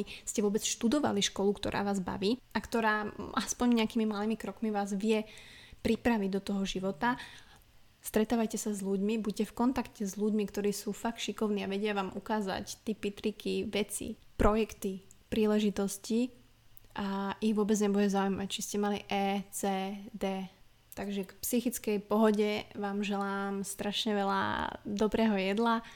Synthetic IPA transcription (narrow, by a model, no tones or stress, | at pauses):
scɛʋʊɔbɛt͡sʃt̪ud̪ɔʋa̰liʃkɔlukt̪ɔ̰ɾʔa̰ːʋaːzba̰ʋiː | akt̪ɔɾaːʔaspɔɲɲɛakiːmimaliːmikɾɔkmiʋaːzʋɪɛpɾipɾaʋiɟd̪ɔt̪ɔɦɔʒiʋɔt̪a | st̪ɾɛt̪aːʋajcɛsazʎuɟmibuccɛfkɔnt̪akcɛzʎuɟmikt̪ɔɾiːsuːfakt̪ʃikɔʊniːaʋɛɟɪaʋaːmʔukaːza̰ct̪ipit̪ɾikʰiʋɛt͡sḭpɾɔjɛkt̪ipɾiːlɛʒit̪ɔsci | ʔaiɣʋʊɔːbɛd͡zɲɛbuɟɛzaujmact͡ʃiscɛmaliʔɛːt͡sɛːd̪ɛː | t̪aɡʒɛkpsixit͡skɛjpɔɦɔɟɛʋaːmʒɛlaːmst̪ɾaʃɲɛʋɛla̰d̪ɔbɾɛːɦɔjɛd̪la